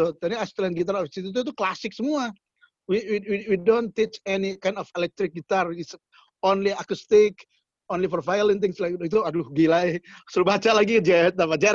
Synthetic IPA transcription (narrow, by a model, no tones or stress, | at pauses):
ut̪ɛniast̪ulanɡit̪arɔfist̪it̪̬ut̪̬ut̪uklasɪk̚səmua | wiwiwiwidont̪it͡ʃɛnikajndɔfelɛk̚t̪ɾɪk̚ɡit̪aris | onliakust̪ɪk | onlifɔɾvajəlɛnt̪ɪŋslajkit̪uadluɦɡilaɛsəɾubat͡ʃalaɡikəd͡ʒɛapad͡ʒaɾ